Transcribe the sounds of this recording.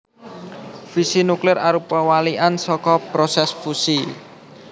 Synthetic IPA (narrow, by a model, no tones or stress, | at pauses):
fisinuklɪɾaɾupawaliʔansɔkɔpɾɔsɛsfusi